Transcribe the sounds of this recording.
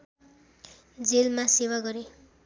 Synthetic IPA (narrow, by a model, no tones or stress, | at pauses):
d͡zelmasewaɡʌɾe